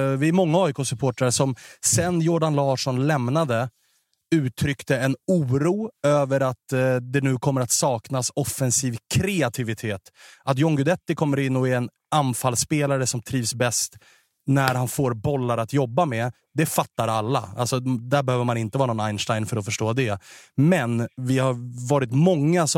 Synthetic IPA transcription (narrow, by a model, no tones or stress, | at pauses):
vɪæɾmɔŋːaɔjkʰɔːsɵpʰoːʈɾaɾəsɔmsɛnjʊɖanlɑːʂɔnlɛmnad̪ə | ʉ̟ːt̪ʰɾʏkt̪əɛnuːɾuːøːvəɾat̪d̪ɛnʉ̟ːkʰɔmːəɾat̪sɑːknasɔfːɛnsiːvkʰɾɛat̪ʰɪvɪt̪ʰeːt̪ʔat̪̬jɔŋɡɵd̪ɛt̪ːɪkʰɔmːəɾɪnːɔɛɛn | anfalspeːlaɾəsɔmt̪ʰɾiːvsbɛst̪ | næɾhanfoːɾbɔlːaɾat̪jɔbːamɛ | d̪ɛfat̪ːaɾalːa̰a̰lsɔd̪æbɛhøːvəɾmanɪnt̪əvɑːɾanɔnajnʂʈajnfœɾɔfœʂʈoːd̪ɛmɛnvɪhaɾvɑːɾɪt̪mɔŋːas